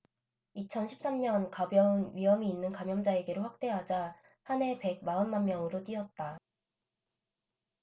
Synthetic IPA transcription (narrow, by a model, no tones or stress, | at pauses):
it͡ɕʰʌnɕʰip̚s͈amɲʌnkabjʌunɥiɦʌmiːnːɯnkamjʌŋd͡ʑae̞ɡe̞ɾoɸwak̚t͈e̞ɦad͡ʑa | hane̞pe̞ɡ̚maɯnmanmjʌŋɯɾot͈ɥiʌt̚t͈a